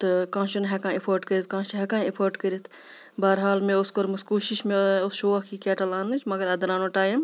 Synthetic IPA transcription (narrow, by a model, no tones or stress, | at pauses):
t̪ɨkãːʃɐnɦekãːepʰoːɾʈkɐɾit̪̚ʰkãːt͡ʃɦɐkãːepʰoːɾʈkɐɾit̪ʰ | bɐːɾɦaːlmẽʊskoɾmɐskuːʃiʃmẽʊsʃoːɐkkikɛːʈɐlaːnɨt͡ʃʰmɐɡɐɾɐd̪ɐɾaːnoʈaːjim